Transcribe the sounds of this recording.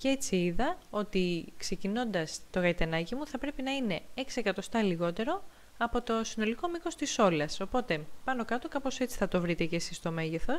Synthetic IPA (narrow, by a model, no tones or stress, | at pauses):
cee̞t͡siiðɐo̞t̪ikse̞cino̞nd̪ɐst̪o̞ɣɐit̪enɐcimuθɐpɾe̞pinɐine̞ekse̞kɐt̪o̞st̪ɐliɣo̞t̪e̞ɾo̞ | ɐpo̞t̪o̞sino̞liko̞miko̞st̪iso̞lɐso̞po̞t̪e̞pɐno̞kɐt̪o̞kɐpo̞se̞t͡si̥θɐt̪o̞vɾit̪e̞ce̞sist̪o̞me̞ʝeθo̞